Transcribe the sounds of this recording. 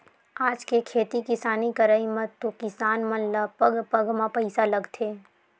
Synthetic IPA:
aːd͡ʒkekʰeːt̪ikɪsaːnikəɾəimə̃t̪ːokɪsaːnmə̃nlapəɡpəɡmãpəɪsaləɡt̪ʰeː

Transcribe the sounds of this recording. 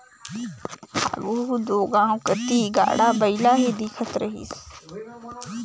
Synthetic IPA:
ha̰ːɡuːd̪oːɡãːũkət̪iːɡa̰ːɽaːbəilaːɦeːd̪iːkʰət̪ɾəɦḭːs

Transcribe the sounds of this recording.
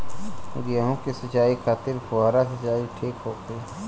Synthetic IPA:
ɡɪaɦõkisət͡ʃaːikʰaːt̪ɪɾpʰʊɦaːɾasɐt͡ʃaːiʈʰiːkɦoːt̪e

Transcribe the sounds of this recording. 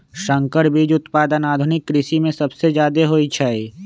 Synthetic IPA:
ʃə̃ŋkəɾbʱid͡ʒʊt̪paːd̪ənaːd̪ʱʊnɪkːɾɪʃimẽsɐbsed͡ʒjaːd̪eɦoːit͡ʃʰai

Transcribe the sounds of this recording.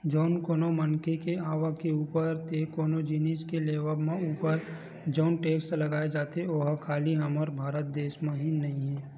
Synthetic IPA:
d͡ʒɔːnkoːnomənkekeaːʋakeuːpəɾt̪ʰekoːnod͡ʒiniskeleːʋəbmẽuːpəɾ | d͡ʒɔːnʈeːkslɐɡaːed͡ʒaːt̪eoɦkʰaːliɦɐməɾbʱaːɾət̪̚d̪eːʃmẽɦinɐɦĩɦɛː

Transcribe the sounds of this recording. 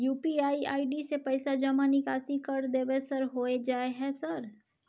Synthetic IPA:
juːpiaːiʔaːiɖisepəɪsad͡ʒəmanɪkaːsikəɾd̪ebesəɾɦoed͡ʒaːeɦɛsəɾ

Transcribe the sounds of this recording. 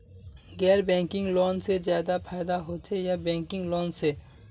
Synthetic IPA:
ɡɛːɾbɛ̃ːŋkɪ̃ŋɡloːnsezjaːd̪apʰaːɪd̪aɦot͡ʃʰejabɛ̃ːŋkɪ̃ŋɡloːnse

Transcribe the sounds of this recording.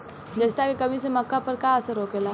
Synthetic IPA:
d͡ʒɐst̪akekɐmisemɐkːapɐɾkaɐsəɾoːkeːlaː

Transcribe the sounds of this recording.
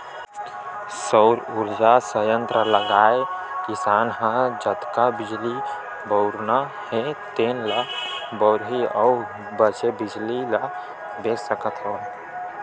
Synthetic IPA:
səʊɾuɾd͡ʒasəjə̃nt̪ɾələɡaːekɪsaːnɦə̃d͡ʒət̪kabɪd͡ʒli | bɔʊɾna | het̪eːnlabəʊɾɦiɔʊ | bət͡ʃebɪd͡ʒlila | beːsəkət̪ɦoː

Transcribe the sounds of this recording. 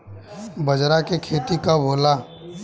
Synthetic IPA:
bɐd͡ʒɾakekʰeːt̪ikabʱoːlaː

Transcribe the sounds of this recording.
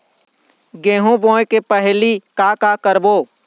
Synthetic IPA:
ɡeːɦũbõːekepəɦlikaːkakəɾboː

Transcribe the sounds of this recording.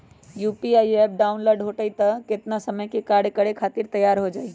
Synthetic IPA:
jupiajɛp̚ɖaʊnloːɖɦoʈəjt̪əkɪt̪nasəməjkekaɽ̤ekəɽekʰaːt̪iɾt̪əjaɾɦod͡ʒaːi

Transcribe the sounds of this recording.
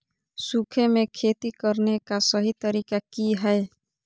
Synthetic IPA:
sukʰemẽkʰeːt̪ikəɾnekasəɦit̪əɾiːkakiɦɛ

